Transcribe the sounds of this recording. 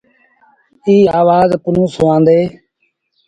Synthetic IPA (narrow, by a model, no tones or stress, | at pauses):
iːaːʋaːzpʊnũːsʊãːnd̪eː